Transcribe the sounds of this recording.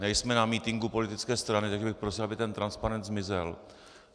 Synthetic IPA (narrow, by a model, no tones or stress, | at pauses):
nɛjsmɛnamiːt̪ɪŋɡupo̞lɪt̪ɪt͡skɛːst̪ɾanɪt̪aɡʒɛbɪxpɾosɪlabɪt̪ɛnt̪ɾanspaɾɛnd̪zmɪzɛl